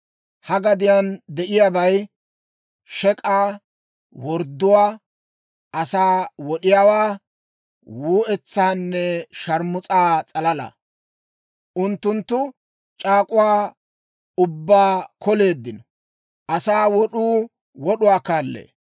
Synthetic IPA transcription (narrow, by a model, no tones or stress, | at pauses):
hɐɡɐd̪ɪjand̪ɛʔɪjabɐj | ʃɛkʼaː | wɔɾd̪ːʊwaː | ʔɐsaːwɔɗɪjaːwaː | wuːɛt͡sːaːnːɛʃɐɾmʊt͡sʼaːt͡sʼɐlɐlɐ̰ | ʔʊnt̪ːʊnt̪ːʊ | t͡ʃʼaːkʼʊwaː | ʊbːaːkɔle̞ːd̪ːɪnɔ | ʔɐsaːwɔɗuː | wɔɗʊwaːkaːlːḛː